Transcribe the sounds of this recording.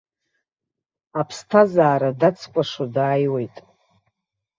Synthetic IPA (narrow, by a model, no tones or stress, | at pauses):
apʰstʰazaːɾadat͡sʰkʷʼaʂadaːjwe̞jtʼ